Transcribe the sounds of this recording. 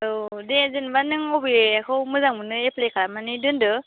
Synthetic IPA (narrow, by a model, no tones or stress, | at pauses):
ɯdezɯnbanɯŋɔwbiakʰɯwmɯzaŋmɯnɯepʰlekʰaɾamanidɯndɯ